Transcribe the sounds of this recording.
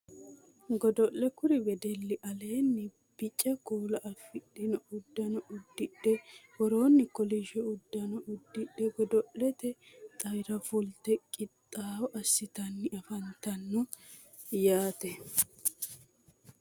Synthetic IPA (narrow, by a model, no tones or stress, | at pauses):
ɡɔd̪ɔʔlɛkʊɾɪbɛd̪ɛlːɪʔɐle̞ːnːɪ | b̥ɪt͡ʃʼːɐkuːlɐʔɐfɪɗɪnɔʊd̪ːɐnɔʔʊd̪ːɪɗːɛwɔɾoːnːɪkɔlɪʃɛʊd̪ːɐnɔʔʊd̪ːɪɗɛɡɔd̪ɔʔɛt̪ɛ | t̪ʼɐjɾɐfʊlt̪ɛkʼɪt̪ʼːaːwɔʔɐsːɪt̪ɐnːɪɐfɐnt̪ɐnːɔ | jaːt̪ɛ